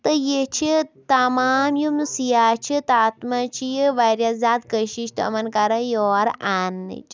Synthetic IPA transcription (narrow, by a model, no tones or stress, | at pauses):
t̪ɐjet͡ʃʰit̪ɐmaːmjumnɨsijaːt͡ʃʰit̪aːt̪mɐt͡ʃʰijiʋɐɾjazaːt̪̚kəʃiʃʈɐ̰mɐnkɐɾɐjoaɾanːɨ̰t͡ʃʰ